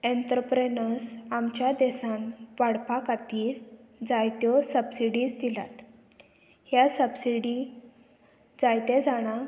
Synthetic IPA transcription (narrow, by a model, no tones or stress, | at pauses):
ẽnt̪ɾəpɾenəsamt͡ɕjad̪ɛsãnʋaɽpakat̪iːɾd͡zajt̪jɔsəbsiɽiːsd̪ila̰t̪ | hjasəbsiɽi | d͡zajt̪ed͡zaɽ̃a